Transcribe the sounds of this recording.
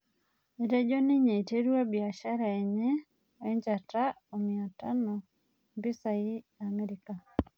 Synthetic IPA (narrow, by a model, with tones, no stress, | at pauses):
i˨ɾɛ˦d͡ʒo˦ni˦ɲe˨i˨te˦ɾu˦a˦bi˨a˨ʃa˦ɾa˨ɛ˨ɲe˦ | ɛ˦ɲd͡ʒa˨ta˦ | o˨mi˨a˨ta˦nɔ˨ | mbi˦sa˨i˦a˨me˦ɾi˨ka˨